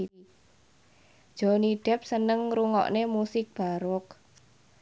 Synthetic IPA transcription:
d̥ʒ̥ɔ̤niɖ̥ɛ̤p̚sənəŋɾuŋɔ̰ʔnemusɪk̚b̥aɾʊk

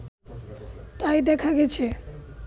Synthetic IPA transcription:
t̪ajd̪ɛkʰaɡɛt͡ɕʰe

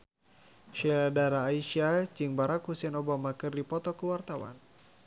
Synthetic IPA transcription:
ʃɛɾadaɾaːiʃat͡ʃiŋbaɾakhusɛnɔbamakɨrdipɔt̪ɔkəwart̪awa̰n

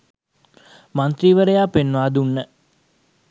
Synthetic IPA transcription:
mant̪ɾiːʋəɾəjaːpenːʋaːd̪unːə

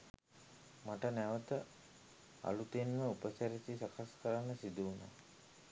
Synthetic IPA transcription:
maʈənæʋət̪ə | a̰lut̪enməupəsaɾesisakʰaskəɾanːəsid̪una̰ː

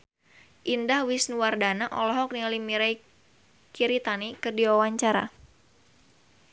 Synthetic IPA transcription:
ʔindahwisnuwardanaʔɔlɔɦɔk̚nialimiɾaj | kiɾit̪anikɨrdiwawaɲt͡ʃaɾa̰

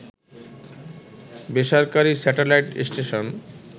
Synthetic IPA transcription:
beʃaɾkaɾisɛʈelajʈsʈeʃon

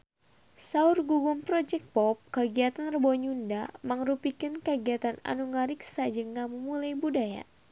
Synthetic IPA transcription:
saʊrɡuɡumpɾɔd͡ʒɛk̚pɔp̚kəɡiat̪anrəbɔɲunda̰məŋɾupikənkəɡiat̪ana̰nuŋaɾiksad͡ʒɨŋamumulajbudaja̰

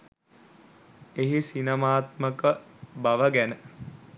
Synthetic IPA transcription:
eɦisinəmaːt̪məkəbaʋəɡænə

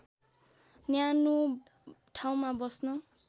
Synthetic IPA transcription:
njano | ʈʰaw̃mabʌsnʌ

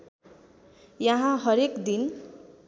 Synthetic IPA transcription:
jʌɦãɦʌɾekd̪in

